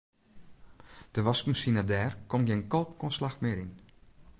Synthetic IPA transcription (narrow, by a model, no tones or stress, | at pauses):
d̥əʋaskumsinadɛːrkɔmɡeːnkolˠpkɔnslaxmɪɾin